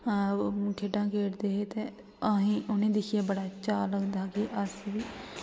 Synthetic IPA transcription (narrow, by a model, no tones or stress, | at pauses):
kʰeːɖãːkʰeːʈd̪eːɦeːt̪eː | əɦĩːʔʊnẽːd̪ɪkʰɪjaːbəɽaːt͡ʃaːləɡd̪aːkiʔəsʋiː